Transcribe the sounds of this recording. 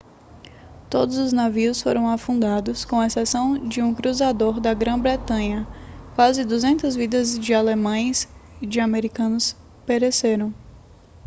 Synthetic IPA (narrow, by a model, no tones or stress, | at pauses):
t̪od̪ʊzʊznaviʊsfoɾɐ̃w̃afũnd̪ad̪ʊskõw̃ɐesɛsɐ̃w̃d͡ʒɪũkɾuzad̪oɾd̪ɐɡɾɐ̃bɾet̪ɐ̃ɲɐkwazɪd̪uzẽnt̪ɐzvid̪ɐzd͡ʒɪalemɐ̃j̃sid͡ʒɪameɾikɐ̃nʊs | peɾeseɾɐ̃w̃